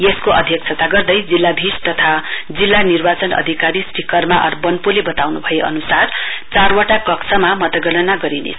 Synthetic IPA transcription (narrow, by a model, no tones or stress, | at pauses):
jeskoʌd̪ʱjʌkt͡sʰʌt̪aɡʌrd̪ʌjd͡zilːabʱist̪ʌt̪ʰad͡zilːanirbat͡sʌnʌ̰d̪ʱikaɾisʈikʌrmaʔʌ̰rbʌnpulebʌt̪awnubʱʌjeʔʌ̰nusart͡sarwaʈakʌksʰʌmamʌt̪ʌɡʌɽʌnaɡʌɾinḛsʰ